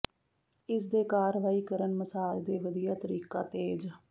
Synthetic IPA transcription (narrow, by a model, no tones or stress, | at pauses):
ɪs̬d̪eːkaːɾʋaːiːkəɾənməsaːld̪eːʋəd̪ijaːt̪əɾiːkaːt̪eːd͡ʒ